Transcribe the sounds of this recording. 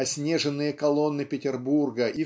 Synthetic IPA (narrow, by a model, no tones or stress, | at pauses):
ɐsʲnʲe̞ʐɨnːɨjəkɐlˠo̞nːɨpʲɪtʲɪrburɡəʔi